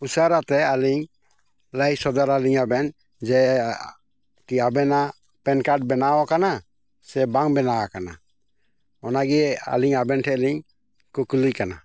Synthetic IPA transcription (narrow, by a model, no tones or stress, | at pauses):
usaɾat̪ɛaliɲ | ləjsɔd̪aɾaliɲabɛn | d͡ʒɛ | kiabɛna | pɛnkaʈ̚bɛnaʔwakana | sɛbaŋbɛnawakana̰ | ɔnaɡɛa̰liɲabɛnʈʰɛʔliɲ | kuklikana̰